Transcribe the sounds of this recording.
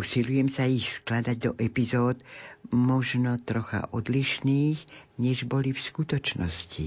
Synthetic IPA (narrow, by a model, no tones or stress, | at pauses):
usilujɛmsaixsklad̪aɟ̚d̪ɔʔɛpizɔːd̪mɔʒnɔt̪ɾɔxa̰ʔɔd̪liʃniːɣɲɛʒbɔlifskut̪ɔt͡ʃnɔscḭ